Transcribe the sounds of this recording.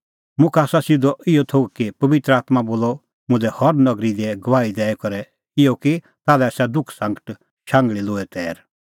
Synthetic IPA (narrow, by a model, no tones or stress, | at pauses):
mʊ̃kʰaːsasɪd̪ɔʔɪjɔt̪ʰoːɡkipɐʋɪt̪ɾəaːt̪maboːlɔ | mʊ̃d̪ɛhɔɾnɐɡɾid̪iɛɡɐʋaːid̪ɛːɛkɔɾɛ | ɪjoki | t̪aːlɛsad̪ʊkʰsɐ̃ŋɡəʈ | ʃãːŋɡɭiloːɛt̪ɛːɾ